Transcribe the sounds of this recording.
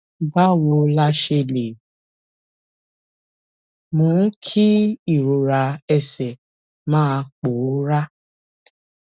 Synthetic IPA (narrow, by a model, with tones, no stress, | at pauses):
ba˦wo˧la˧ʃe˧le˨ | mõ˨˦kʰi˦i˦˨ɾo˨ɾa˧ɛ˧sɛ˨ | mãː˦˧k͡po˨˦ɾa˦